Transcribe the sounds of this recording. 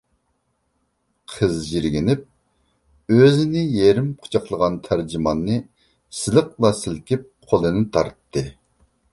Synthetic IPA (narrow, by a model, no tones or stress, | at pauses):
qʰəzʒiɾɡʲinɪp̚ | øzɪnɪjeɾɪmqʰʊ̥t͡ʃʰɑqlˠəʁɑnt̪ʰæɾd͡ʒimɑnːɨ | sɪlɨq̚lˠɑsɪlkʲɪp̚qʰolˠɨnɨt̪ʰɑɾt̪ʰːɨ